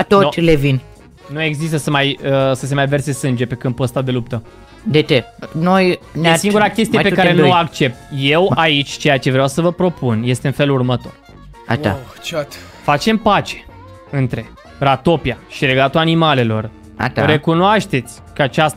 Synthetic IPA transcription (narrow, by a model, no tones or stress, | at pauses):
t̪olevin | nue̞ɡzis̬t̪əsəmajəsəs̬e̞majve̞rse̞sɨnd͡ʒe̞pe̞kɨn̚pəst̪ad̪e̞lup̚t̪ə | d̪et͡ʃenojnesiŋɡuɾakʲest̪ijepekaɾenuakt͡ʃe̞p̚t̪je̞wait͡ʃʲt͡ʃe̞jat͡ʃe̞vɾeawsəvəpɾo̞pʰunje̞st̪e̞ɨnfe̞lurmət̪o̞r | a̰a̰ | t͡ʃat̪ | fat͡ʃe̞mpat͡ʃe̥ | ɨnt̪ɾe̞ | rat̪o̞piaʃiɾe̞ɡat̪uanimale̞lo̞r | a̰ʃaɾe̞kunoaʃt̪e̞t̪sʲkəat͡ʃast̪